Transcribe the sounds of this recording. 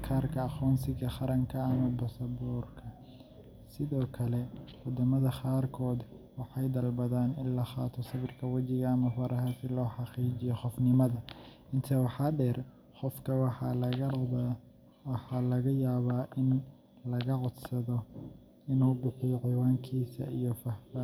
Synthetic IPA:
kʰaːrkʰɐːχɔːnsɪɣɐχɑɾɐŋkʰɐɐmɐbɐsɐbɔːrkʰɐ | sɪðɔːkʰɐlɛwɔd̪ɐmɐðɐqaːrkʰɔːd̪ | wɑħɑjd̪ɐlbɐðaːnɪnlɐχaːt̪ʰɔsɪβɪrkʰɐwɑt͡ʃɪɣɐɐmɐfɐɾʔɐɦɐsɪlɔːħɑqiːt͡ʃɪjɔχɔfnɪmɐðɐ | ɪnt̪ʰɐwɑħɑɖɛːr | qɔfkʰɐwɑɑ | wɑħɑlɐɣɐjaːβaːʔɪn | lɐɣɐʕɔd̪sɐðɔ | ɪnuːbɪħijɔʕiːwaːŋkʰiːsɐ̰ijɔfɐh

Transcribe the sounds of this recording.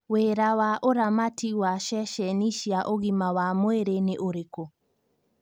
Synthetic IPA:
weɾawaʔoɾamatiwaʃɛʃɛniʃiaʔoɣimawamoeɾeneʔoɾeko

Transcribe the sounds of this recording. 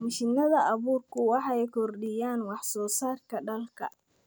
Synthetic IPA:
mɪʃɪnɐðɐʔɐβuːrkʰʊwɑħɑɛjkʰɔrɖɪjaːnwɑħsɔːsaːrkʰɐɖɐlkʰɐ̰

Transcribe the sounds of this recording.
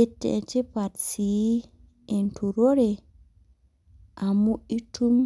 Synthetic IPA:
ɛtːɛ̰tɛpatsi | ʔɛntʰuɾoɾɛ | ʔamuʔitum

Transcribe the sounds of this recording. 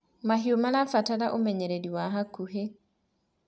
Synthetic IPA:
maɦiomalafatalaʔomɛɲɛɾediwaɦakuɦe

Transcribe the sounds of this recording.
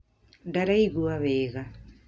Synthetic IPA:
daɾaiɣuaβɛːɣa

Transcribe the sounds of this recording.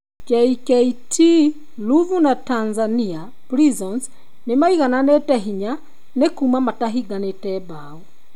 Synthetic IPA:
kɛikɛitʰi | luvunatanzania | pɾizɔns | nemaiɣananɛtɛɦiɲa | nekumamataɦiɡanetɛba | ɔ

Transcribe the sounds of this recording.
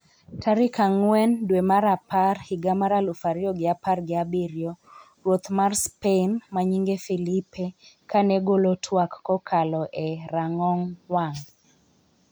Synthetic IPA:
taɾɪkaŋwɛndwemaɾaparhiɡamaɾalufaɾɪɔɡɪaparɡɪabiɾjɔ | rwot̪marspenmaɲiŋɡefilipekanɛɡolotʰwakːɔkʰalɔʔɛɾaŋɔŋwaŋ

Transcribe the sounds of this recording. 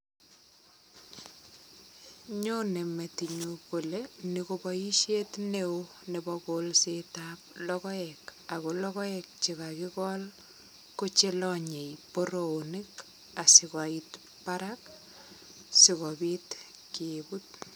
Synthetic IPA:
ɲonemetiɲukolenikobɔiʃetneo | nebɔkolsetap̚lɔkɔɛkakolɔkɔɛk̚t͡ʃikakɪkɔl | kot͡ʃelɔɲejpoɾoonɪk | asɪkait | paɾak | sɪkɔbit | kiebut̚

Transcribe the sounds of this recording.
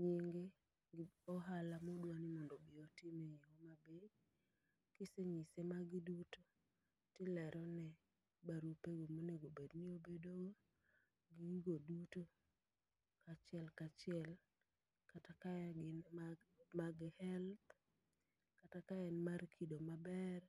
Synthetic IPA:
ɲiŋɡe | ɔɦalamɔdwanimɔndɔbɪɔtimeiɔmabe | kɪseɲisemaɡiduto | tɪlɛɾʔɔnɛ | baɾupeɡomoneɡobedniobedoɡo | ɡiɡoduto | kat͡ʃɪɛlkat͡ʃɪɛl | katakaɡɪn | maɡhɛlt | katakaɛnmarkʰidomabɛr

